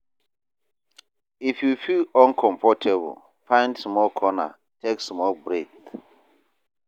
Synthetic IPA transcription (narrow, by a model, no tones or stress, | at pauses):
ifjufilə̃nkʰɔ̃mpɔtʰɛb̰l | fãɪ̃ndsmɔlkʰɔna̰ | tʰeksmɔlbɹeθ